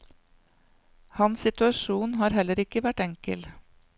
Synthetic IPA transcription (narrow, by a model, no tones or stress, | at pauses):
hɑnsɪt̪ʉɑʃuːnhɑːɾhɛləɾɪkəʋæʈɛŋkə̰l